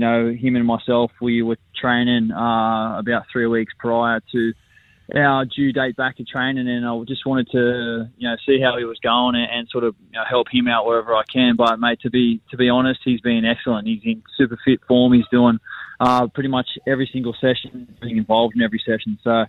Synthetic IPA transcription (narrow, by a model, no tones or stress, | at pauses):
ɨnoʊɨ̃mɨ̃nmaɪsɛlˠfwiwə˞tʰɹ̥ẽɪ̃nɪ̃ŋʌəbaʊt̪̚θɹiwikspʰɹ̥aɪə˞ɾɨ | ʔaʊə˞d͡ʒʉdeɪt̚b̥æk̚tʰɨtʰɹ̥ẽɪ̃nɪ̃ŋɨ̃naɪd͡ʒʌst̚wɑ̃ɾ̃ɨd̚tʰɨjɨnoʊsiɦaʊiwʌzɡoʊɪ̃ŋɨ̃nsɔɹɾʌvjɨnoʊhɛlˠphɨ̃maʊʔ̚wə˞ɛvə˞aɪkʰɨ̃nbʌt̚meɪtʰɨbitʰɨbiɑñɨst̚hizbiɪ̃ŋɛksl̩ˠə̃nʔ̚hizɨ̃nsʉpə˞fɪtfɔɹmhizduɪ̃ŋʔʌpʰɹ̥ɪɾimʌt͡ʃɛvɹisɪ̃ŋɡl̩ˠsɛʃɨ̃nb̥iɪ̃ŋɨ̃ɱvɑlˠvdɨ̃n̩ɛvɹisɛʃn̩soʊ